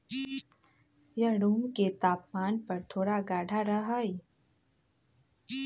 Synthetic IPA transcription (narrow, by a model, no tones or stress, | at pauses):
jɐɽuːmket̪aːpmaːnpɐɾt̪ʰoːɽaɡaːɽʱaɾəɦəj